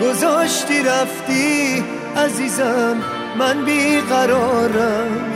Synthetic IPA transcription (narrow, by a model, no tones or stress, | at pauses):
ɡozɔʃt̪iɾaft̪i | azizamː | anbiɣaɾɔɾam